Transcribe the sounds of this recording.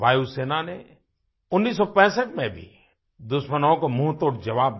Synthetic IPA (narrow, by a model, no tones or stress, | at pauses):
bʱaːjuseːnane | ʊnːiːs̬ːɔpɛ̃ːsəʈmẽbʱḭ | d̪ʊʃmənõkomũɦt̪oːɽd͡ʒɐʋaːb̚